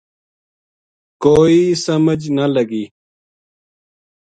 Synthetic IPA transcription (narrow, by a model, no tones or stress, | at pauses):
koːisɐməd͡ʑnɐlɐɡiː